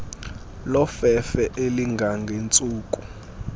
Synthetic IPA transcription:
lɔfɛfɛʔeliŋɡʱaŋɡʱent͡sʼuːkʼu

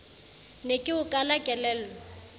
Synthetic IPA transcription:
nekʼɪʊkʼalakʼɛlɛːlɔ

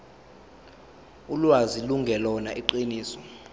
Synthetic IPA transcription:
ulwaziluŋɡʱɛlɔnaʔiǃiniːsɔ̥

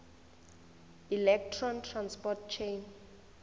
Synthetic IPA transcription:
ilɛk̚tʰrɔntʰranspɔt̚t͡ʃʰen

